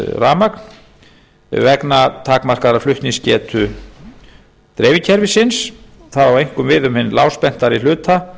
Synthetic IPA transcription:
raːmakn | vɛknat̪ʰaːkmar̥kaɾaflʏht̪niŋscɛːt̪ʰʏ | t̪ɾɛːvɪcʰɛɾvɪsɪns | θaðawvejŋ̥kʏmvɪðʏmhɪnːlaːwspɛn̥t̪aɾil̥ʏːt̪a

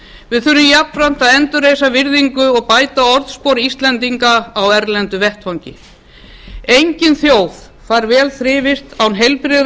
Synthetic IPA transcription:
vɪðθʏɾʏmjapnɾan̥t̪aðɛnt̪ʏrejsavɪɾðiŋkʏɔɣpaːjt̪aɔɾðspowɾist̪lɛnt̪iŋkaːwɛɾlɛnt̪ʏvɛht̪fawɲcɪ | ejɲcɪnθjoːwð | faɾvɛːlθɾɪːvɪr̥t̪awnɦejlpɾɪ

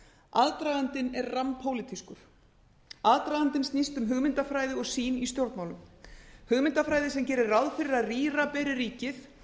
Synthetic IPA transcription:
aðt̪ɾaːɣant̪ɪnɛɾrampʰowlɪt̪ʰiskʏɾ̥ | aðt̪ɾaɣant̪ɪnst̪nist̪ʏmɦʏɣmɪnt̪afɾaːjðɪɔɣsiːnist̪jowɾt̪nmaːwlʏmhʏɣmɪnt̪afɾaːjðɪsɛmcɛːɾɪrawðfɪɾɪɾaðriːrapɛːɾɪɾiːcɪθ

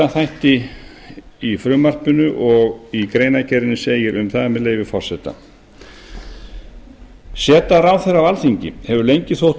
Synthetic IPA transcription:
aθajht̪ɪː | fɾʏːmar̥pʏnʏʔɔɣikɾeːjnacʰɛɾɪnːʏseːjɪɾʏmθaðamɛðleːjvɪfɔr̥sɛt̪a̰ | sɛːt̪aɾaːwθɛɾavalθiɲcɪ̰hɛvʏɾlejɲcɪθowht̪

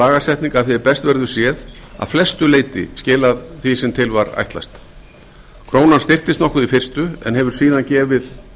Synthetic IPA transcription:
aːɣasɛjht̪niŋkaðθɛɪpɛst̪vɛɾðʏ̥sjɛða̰ðflɛst̪ʏleːjt̪ɪ̰scɪːlaðθisɛmt̪ʰɪlvaɾa̰jht̪la̰st̪ | kʰɾoːwnanst̪ɪr̥t̪ɪst̪nɔhkʏðifɪr̥st̪ʏɛ̰nhɦɛvʏɾ̥siːðancɛːvɪð

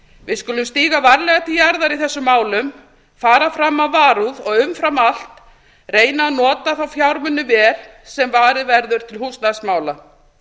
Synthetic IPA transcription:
vɪðskʏlʏmst̪iːɣavaɾlɛɣat̪ijaɾðaɾiθɛsːʏmːaːwlʏm | faːɾafɾamːaðvaːɾuðɔɣʏmfɾamal̥t̪ | reːjnaːnɔːt̪aθawfjawɾmʏnːʏvɛːl | sɛmvaːɾɪðvɛɾðʏɾ̥t̪ʰɪlhust̪nasmaːwla

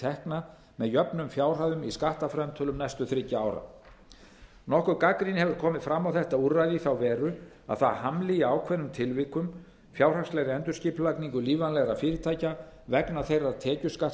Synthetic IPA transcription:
t̪ʰɛhkna | mɛðjœpnʏmfjaːwr̥aðʏmiskaht̪afɾɛmt̪ʰœlʏmnajst̪ʏθɾɪcːaaːwɾa̰ | nɔhkʏɾkakɾinhɛvʏɾ̥kʰɔːmɪðfɾamːawθɛht̪auɾːajðiθawvɛːɾʏ | a̰ðθaðhamlɪaːwkʰvɛnːʏmt̪ʰɪlvɪːkʏm | fjaːwr̥anslɛɣɾɪɛnt̪ʏɾsciːpllakniŋkʏliːvanlɛɣɾafɪːɾɪt̪ʰaːjca | vɛknaθejraðt̪ʰɛːcʏska

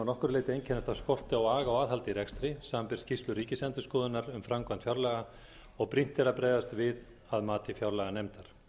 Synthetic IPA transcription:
nɔhkʏɾleːjt̪ɪejncʰɛnast̪avskɔr̥t̪ɪawaːɣaɔwaːðhalt̪ɪiɾɛkst̪ɾɪsaːmampɪɾ̥scist̪lʏɾiːcɪsɛnt̪ʏskɔːðɪnaɾʏmfɾamkvant̪fjawɾlɛɣa | ɔɣpɾin̥t̪ɛɾapɾeːjvast̪vɪð | aðmaːt̪ʰɪfjawɾlɛɣanemt̪aɾ̥

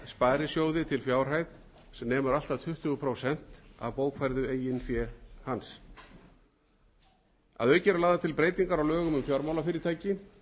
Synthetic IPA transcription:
spaːjɾɪsjoːwðɪt̪ʰɪlfjaːwr̥ajð | sɛmnɛːmʏɾal̥t̪aðt̪ʰʏht̪ʏɣʏpʰɾowsɛn̥t̪a̰vpoːwkʰfajɾðʏeːjɪnfjɛhans | a̰ðœːɥcɛɾalaːðat̪ʰɪlpɾeːjt̪iŋkaɾawlœːɣʏmʏmfjɔɾmawlafɪːɾɪt̪ʰaːjcɪ

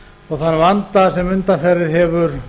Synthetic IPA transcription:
ɔɣθanːvant̪asɛmʏnt̪aθɛɾːɪðɦɛvʏɾ̥

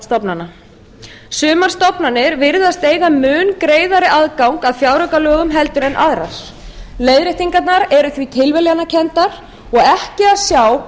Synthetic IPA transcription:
st̪ɔpnanːa | sʏːmar̥st̪ɔpnanːɪɾvɪɾðast̪eːjɣamʏːnkɾeːjðaɾɪʔaðkawŋkaðfjawɾœkalœːɣʏmɦɛlt̪ʏɾɛnʔaðɾa̰s | lejðɾɪht̪iŋkat̪naɾɛɾʏθvit̪ʰɪlvɛljanːacʰɛnt̪aɾ̥ | ɔɣɛhcɪaðsjaːw

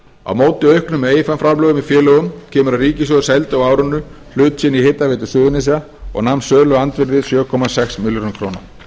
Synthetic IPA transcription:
a̰wmoːwt̪ɪœɥhknʏmeːjɪfɛmfɾamlœːɣʏmifjɛːlœːɣʏmcʰɛːmʏɾariːcɪsjɔðʏsɛlt̪ɔwaːwɾʏnːʏ | l̥ʏːt̪sɪnːiheːt̪ːavɪːt̪ʏ̥sʏðʏnɪsia | ɔ̰ɣnamnsœːðlœɣant̪vɪɾðɪsjœːkʰɔmasɛksmɪljɔɾnʏnkʰɾowna̰

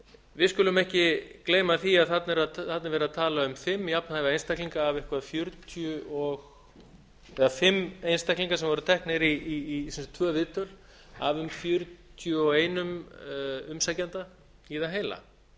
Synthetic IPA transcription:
vɪðskʏlʏmɛhcɪkleːjmaθiaðθat̪nɛɾaðθat̪nɪɾvɛːɾaðt̪ʰaːlaʏmfɪmːiapnahavaejnst̪ɛkliŋkaːvɪhkvaðfjʏɾt̪ʰjʏɔɣ | ɛðafɪmːejnst̪ɛkliŋkasɛmvɔɾʏt̪ʰɛhknɪɾisɛnst̪ʰvœːvɪːt̪ʏɾ̥ | a̰vʏmfjʏɾt̪ʰjʏɔɣeːjnʏm | ʏmsajcant̪a | iðaɦeːjla̰

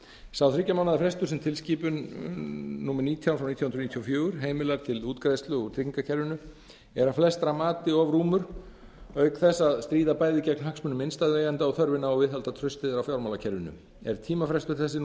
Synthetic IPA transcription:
sawθɾɪcːamawnaðafɾɛst̪ʏɾ̥sɛmt̪ʰɪlsciːpʏnː | uːmɛɾniːt̪ʰjawfɾawnit̪ʰjahʏnɾnit̪ʰjɔfjœːɣʏɾ̥ɦeːjmɪlɛɾt̪ʰɪluːt̪kɾajst̪lʏɔt̪ʰɾiŋkacʰɛɾvɪnʏ | ɛɾaflɛst̪ɾamaːt̪ɪɔvɾuːmʏɾ̥ | œɥkθɛsːaðst̪ɾiːðapaːjðɪcɛknhaksmʏnʏmɪnst̪ajðveːjant̪aɔθœɾvɪnaɔwvɪðɦhalt̪at̪ʰɾœɥst̪ɪðɪɾawfjawɾmawlacʰɛɾvɪnʏ̰ | ɛ̰ɾ̥t̪ʰiːmafɾɛst̪ʏɾ̥θɛsːɪ

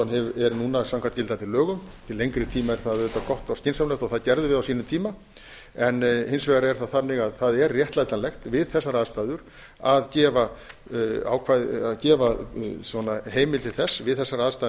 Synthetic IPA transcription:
anɦɛvɛɾnuːnasamkʰant̪cɪlant̪ʰɪlːœːɣʏmt̪ʰɪlːejŋkɾɪt̪ʰiːmaɛɾ̥θaððʏt̪akɔht̪ɔr̥scɪnsamlœft̪ɔɣθaðcɛɾðʏvɪðawsiːnʏmt̪ʰiːma | ɛnhɪnsvɛːɣaɾaɛɾ̥θaðθanːɪɣaðθaðɛrrːjɛht̪lajt̪anlɛxt̪vɪðθɛsːaɾaːðst̪ajðʏɾ̥ | aðcɛːva | a̰wkʰvajðaðcɛːvasvɔnaɦeːjmɪlt̪ʰɪlθɛsːvɪðθɛsːaɾaːðst̪a

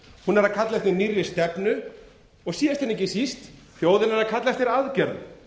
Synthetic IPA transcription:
hunɛɾaðkʰat̪lɛjft̪ɪnirjɪst̪ɛpnʏ | ɔɣsiːɛst̪ɛnːɛcːɪsist̪ | fjoːwðɪnɛɾaðkʰat̪lɛjft̪ɪɾaðcɛɾðʏ̰

